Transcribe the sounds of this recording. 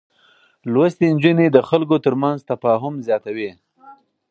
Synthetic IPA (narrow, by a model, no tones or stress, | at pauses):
lwast̪ind͡ʒunid̪əxalkot̪əɾmanzt̪afɑɦʊmzjɑt̪awi